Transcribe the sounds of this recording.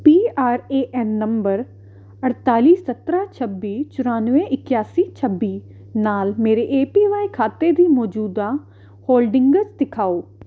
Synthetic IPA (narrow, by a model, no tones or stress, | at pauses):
piːaːɾeːʔɛnːəmbəɾ | əɽt̪aːliːsət̪ɾaːt͡ʃʰəbːiːt͡ʃʊɾaːnʋẽʔɪkjaːsiːt͡ʃʰəbːiː | naːlmeːɾeʔeːpiːʋaːikʰaːt̪eːd̪iːmɔːd͡ʒuːd̪aː | hoːlɖɪ̃ŋɡət͡ʃd̪ɪkʰaːoː